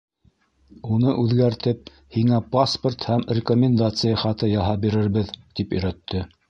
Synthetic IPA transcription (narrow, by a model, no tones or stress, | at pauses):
unɤʔʉðɡæɾt̪ɘp̚ | hiŋæpasport̪hæmrʲɪkomʲɪnd̪at̪sɨjɑχɑt̪ɤjɑɦɑpbiɾɘ̆ɾβɘðt̪ipɵ̆jɾæt̪ːɘ